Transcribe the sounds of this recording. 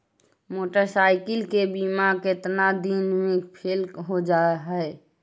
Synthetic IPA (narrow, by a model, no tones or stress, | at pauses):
moʈəɾsaɪkəlkebimaket̪nad̪inmekpʰelɦod͡ʒaeɦɛɪ